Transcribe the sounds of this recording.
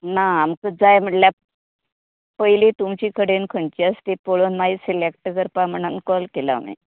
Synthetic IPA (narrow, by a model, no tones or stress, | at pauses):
naːmkəd͡zajm̤əɳlja | pəilit̪umt͡ɕiːkʰəɽenkʰəɳt͡ɕiast̪epoɭonmaisilek̚ʈkəɾpam̤əɳ̃unkɔlkela̰mḭ